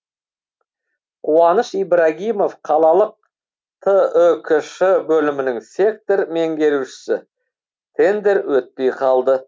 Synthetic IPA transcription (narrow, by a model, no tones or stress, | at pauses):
qʰuɑnəʃijbɾaɡʲijmo̞fqʰɑlˠɑlˠəq̚ | t̪ʰəəkʲʰʏʃɪbɵlɪmɪnɪŋse̞k̚t̪o̞ɾme̞ŋɡʲe̞ɾuʃɪ̥sɪ | t̪ʰe̞nd̪e̞ɾwɵt̪̚pe̞jqʰɑlˠd̪ə